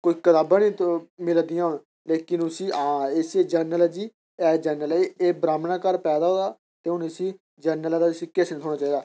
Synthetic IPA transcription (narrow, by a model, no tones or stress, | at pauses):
koːiːkət̪aːbãːniːt̪mɪld̪ɪjãːɦʊɽ | leːkɪnʊsĩːaːeseːd͡ʒəɾnəlɛd͡ʒiː | ɛːd͡ʒəːnəleːbɾaːmnãːkəɾpɛːd̪aːɦoːaː | t̪eːɦʊnɪsĩː | d͡ʒəɾnəlɛd̪aːsikesñːt̪ʰoːɽaːt͡ʃaːiːd̪aː